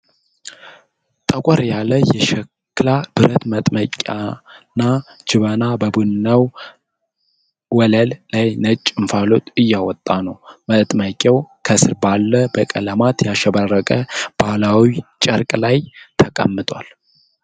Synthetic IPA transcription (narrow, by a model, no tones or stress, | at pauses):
t̪ʼəkʷʼɔɾjaləjɛʃɛ | kːlab̥ɨɾət̪mət̪ʼməkʲʼa̰nːad͡ʒɪβənabəbunɨnːəw | wɔləlːajnət͡ʃʼːɪɱfalot̪ʼɨjːawɔt̪ʼːanəwmət̪ʼməkʲʼːɛwkʰəsɨɾbalːəbəkʼələmat̪jaʃɛbarːəkʼəb̥alawit͡ʃʼə̰ɾkʼlajt̪ʰəkʼə̰mːɨt̪ʼwa̰l